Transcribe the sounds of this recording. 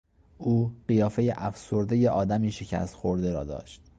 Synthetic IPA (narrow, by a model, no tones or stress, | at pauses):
ʔuːɢijɒːfe̞jeʔæfso̞ɾd̪e̞jeʔɒːd̪æmiːʃe̞cʰæ̰st̪xo̞ɾd̪e̞ɾɒ̰ːd̪ɒ̰ːʃt̪̚